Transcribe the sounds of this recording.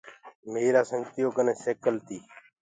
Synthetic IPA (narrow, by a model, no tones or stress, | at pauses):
meːɾaːsəŋɡt̪ɪjoːkəneːseːkəlt̪iː